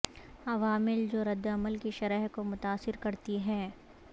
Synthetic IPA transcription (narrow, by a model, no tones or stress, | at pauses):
ɐʋaːmɪld͡ʒoːɾɐd̪ːɐməlkiʃɐɾɛɦkomʊt̪aːsːɪɾkɐɾt̪iɦɛː